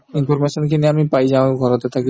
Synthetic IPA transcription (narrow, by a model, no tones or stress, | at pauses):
infoɾmeʃonkeniamipajd͡ʑaoɡʱɔɾot̪et̪ʰaki